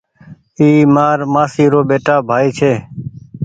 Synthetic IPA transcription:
iːmaːɾmaːsiːɾoːɓeːʈaːbʱaːiːt͡ʃʰeː

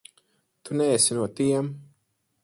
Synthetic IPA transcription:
t̪unɛɛsinuɔt̪iɛm

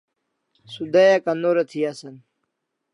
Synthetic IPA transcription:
sud̪ɐjakɐnoɾɐt̪ʰiasɐn

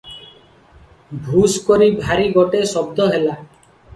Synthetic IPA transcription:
bʱuskɔɾibʱaɾiɡɔʈesɔb̚d̪ʱɔɦela

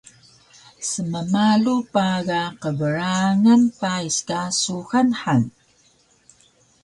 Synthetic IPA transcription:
səməmalupaɣaqəvəɾaŋanpaiskasuxanħan

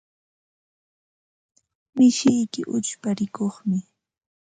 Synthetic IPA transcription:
mɪʃɪjkɪʔʊt͡ʃpaɾɪkoχmɪ

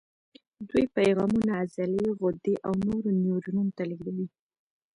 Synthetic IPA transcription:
d̪wujpajɣɑmunaːzaleɣʊd̪eʔawnoɾonjoɾununot̪aliɡd̪awi

